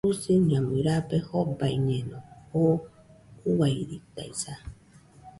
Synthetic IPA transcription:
usɨɲãmɨ̃ɾapehobaiɲẽnõo | uwajɾit̪a̰isa

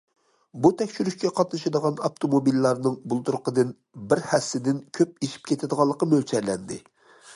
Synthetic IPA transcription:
but̪ʰɛkʲʃyɾyʃkʲɛqʰɑt̪nɨʃɑd̪əʁɑnɑpt̪ʰomobilːɑɾnɨŋbulˠt̪uɾqʰəd̪ɨn | bɪɾhɛsːɪd̪ɪnkʲʰøp̚iʃi̥p̚kʲʰet̪ʰɪd̪əʁɑlˠːəqɑmølt͡ʃʰɛɾlɛnd̪ɪ

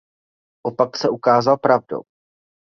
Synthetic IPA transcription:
ʔopaksɛʔukaːzalpɾavdo̰w

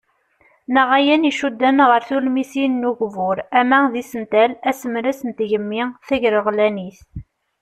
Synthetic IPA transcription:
nəʁæjæniʃud̪ːænʁəɾθulmisinːuʝvʊɾæmæðisənt̪ælæsəmɾæsənt̪ʝəmːiθæʝɾəʁlæniθ

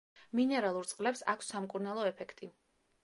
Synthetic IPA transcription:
minɛɾalˠuɾt̪sʼqʼlɛpsa̰kʰsːamkʼuɾnalˠɔɛpʰɛkʰt̪ʼi

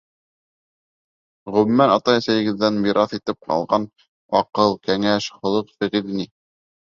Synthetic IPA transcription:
ʁɵ̆mmːænɑt̪ɑjæsæjɘ̆ɡɘ̆ðːænmiɾɑθit̪ɘp̚qɑ̰lˠʁɑn | ɑqɤlˠkæŋæʃχŏlˠɤqθɘ̆ʁiðini

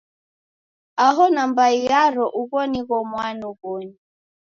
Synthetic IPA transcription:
aɦɔnambaiaɾɔʔuɣɔniɣɔmwanuɣɔɲi

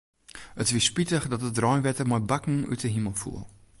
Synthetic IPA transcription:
ətʋispitəxdɔtət̚drɔjnʋɛtəmɔjbakŋ̩y̰təɦiməlˠfṵəlˠ

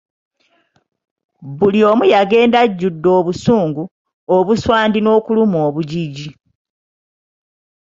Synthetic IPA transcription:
βulio̞ːmujaɡe̞ːndaɟːudːo̞ːβusuːŋɡu | oβuswaːndino̞ːkulumoːβuɟiɟi

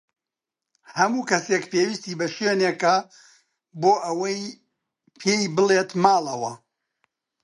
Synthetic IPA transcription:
hɐmuːkɐsekpeːwist̪iːbɐʃenekɐ | boːʔɐwɐj | pʰeːjbɨleːt̪maːlˠɐwɐ

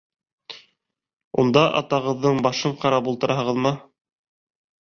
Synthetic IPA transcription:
ṵnd̪ɑʔɑ̰t̪ɑʁɤ̆ðːɤɴbɑʃɤɴqɑɾɑpulˠt̪ɤ̆ɾʔɑɦɤ̆ʁɤðmɤ

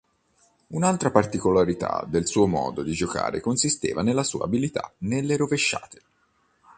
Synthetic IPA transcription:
unalt̪ɾapart̪ikolaɾit̪a̰d̪elsuːomɔ̰ːd̪od̪id͡ʒoka̰ːɾḛkonsist̪ḛːvanelːasṵːa̰ːbilit̪a̰nelːeɾoveʃːa̰ːt̪ʰe̥

